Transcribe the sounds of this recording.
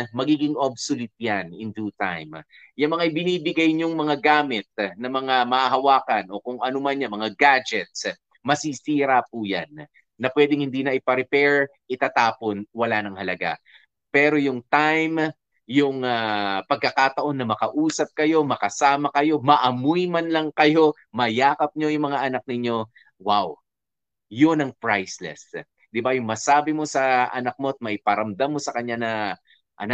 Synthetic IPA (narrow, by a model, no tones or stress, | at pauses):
mɐɡiːɡɪŋʔobsʊlɪt̪̚janɪ̰nd̪uːt̪a̰jm | jʊŋmɐŋaibɪniːbɪɡajɲoŋmɐŋaɡaːmɪt̪̚nɐmɐŋamɐhaɦɐwaːkɐnʔo̞kʊŋʔɐnʊmanjɐmɐŋaɡad͡ʒɛt̪̚s | mɐsisiːɾapuja̰nː | ɐpwɛd̪ɪŋhɪnd̪iːnɐʔɪpɐɾɪpɛɹ | ʔɪt̪aːt̪aːponwɐlanɐŋhɐlɐɡa̰ | pɛɾo̞jʊŋt̪ajm | jʊŋapɐɡ̚kɐkat̪ɐʔo̞nːɐmɐkɐʔuːsɐp̚kɐjo̞mɐkɐsaːmɐkɐjo̞mɐʔɐmujmɐnlɐŋkɐjo̞ | mɐjaːkɐp̚ɲo̞jʊŋmɐŋaʔɐnak̚nɪɲo̞ | waw | jonɐŋpɹajslɛ̰s | d̪ɪbɐjʊŋmɐsaːbɪmo̞sɐʔɐ̰nɐk̚mo̞ɐt̪̚mɐʔɪpɐɾɐmd̪amːo̞sɐkɐɲːanɐ | ʔɐ̰na